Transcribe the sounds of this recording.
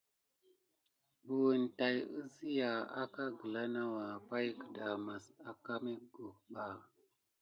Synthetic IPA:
bu˨ə˨n˨ta˨jə˦zi˦ja˨a̰˦ka˦ɡə˨la˦na˦wa˨pa˦jkə̥˨da˨ma˨sa˨ka˦mi˦ɡu˨k̚ɓa˨

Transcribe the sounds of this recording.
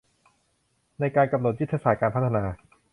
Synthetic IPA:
na˧jkaː˧nka˧mno˨˩t̪̚ju˦˥t̪ʰːa˧saː˨˩kaː˧npʰt̪ʰːa˧naː˧

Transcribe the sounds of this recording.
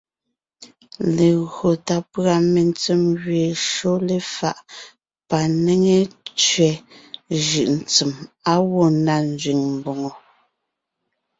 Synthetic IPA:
le˨ɣɰo˨ta˨pɰa˦˨me˨nt͡sɛ˦˨mɣɥe˨ʃo˦le˨fa˦˨ʔ | pa˨ne˦ŋe˦˨t͡ʃɥɛ˨ʒɯ˨ʔn̩˨t͡si˨ma˦wɔ˦˨nda˦˨n˦d͡zɥi˨ŋm˨bo˨ŋo˨

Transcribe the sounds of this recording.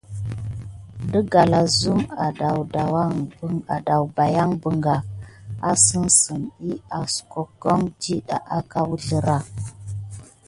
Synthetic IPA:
də˦ɡa˨la˨zu˦ma˨da˨wda˨wa˦ŋbə˦ŋa˨da˨wba˨ja˦ŋbə˨ŋɡa˨a˦sə˦nsə˨ni˦a˨sko˨ko˦ŋd͡ʒi˦ɗa̰˨ʔa˦ka˦wu˦ɮə˦ɾa˦

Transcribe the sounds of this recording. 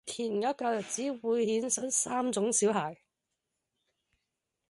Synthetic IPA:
t̪ʰiː˨˩n˨ŋɐ˨˥t̚kaː˧jɐ˨˩t̚t͡siː˨˥wuː˨˧jhiː˨˥nsɐ˨˥nsaː˥mt͡sʊ˨˥ŋsiː˨˥wɦaː˨˩j

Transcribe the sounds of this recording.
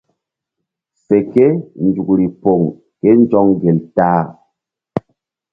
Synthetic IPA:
se˨ke˦n̩˨d͡ʒu˨ku˨ɾi˨po˨ŋ | kɛ˦n˦d͡ʒɔ˦ŋɡe˨ltaː˦

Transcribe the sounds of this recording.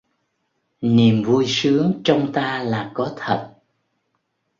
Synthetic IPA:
ni˨˩əmvu˧jsɨ˨˦əŋt͡ɕɔ˧wŋ͡mt̪aː˧laː˨˩kɔ˨˦t̪ʰə˨˩t̚

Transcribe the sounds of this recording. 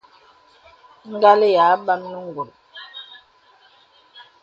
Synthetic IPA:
ŋ̩˦ɡa˦le˦ja˨˦ba˦mnə˦ŋ˨ɡo˨l

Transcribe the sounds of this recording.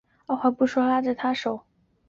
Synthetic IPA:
a˥˩xwa˧˩pu˥˩ʂwɔ˥la˥ʈ͡ʂə˥˩t̪ʰa˥ʂo˨˩˦ʊ

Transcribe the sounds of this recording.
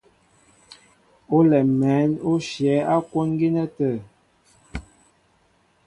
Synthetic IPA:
o˦lɛ˨mɛ˨˦no˦ʃjɛ˨˦a˦kwo˦nɡi˦nə˦tə˦˨

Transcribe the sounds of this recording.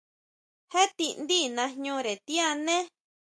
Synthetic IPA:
he˦t̪i˧nd̪i˦nã˧ɲũ˧ɾe˨t̪i˦a˧nẽ˦

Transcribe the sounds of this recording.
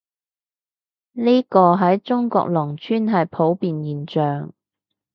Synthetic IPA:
niː˥kɔː˧ɦɐ˨˥jt͡ʃʊ˥ŋkɔ̰ː˧k̚lɔː˨˩ŋt͡ʃʰyː˥nɦɐ˨jpʰo˨˥wpiː˨njiː˨˩nt͡ʃœː˨ŋ

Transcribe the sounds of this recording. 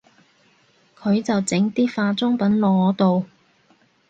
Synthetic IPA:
kʰɵ˨˧ɥt͡sɐ˨wt͡sɪ˨˥ŋt̪iː˥faː˧t͡sʊ˥ŋpɐ˨˥nlɔː˨˧˥ɔː˨˧t̪o˨w

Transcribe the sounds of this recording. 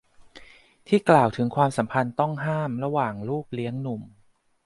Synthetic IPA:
t̪ʰiː˥˩klaː˨˩wt̪ʰɯ˩˦ŋkʰwaː˧msa˩˦mpʰa˧nt̪ɔ˥˩ŋɦaː˥˩mɾa˧waː˨˩ŋluː˥˩k̚li˦˥əŋnu˨˩m

